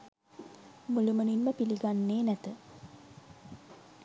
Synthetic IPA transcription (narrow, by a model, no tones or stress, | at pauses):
muluməninməpiliɡanːeːnæt̪ə